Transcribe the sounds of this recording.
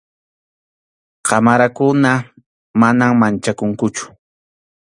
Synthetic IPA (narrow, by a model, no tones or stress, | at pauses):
qʰɑmaɾakʊna | manaŋmant͡ʃakʊŋkʊt͡ʃʊ̥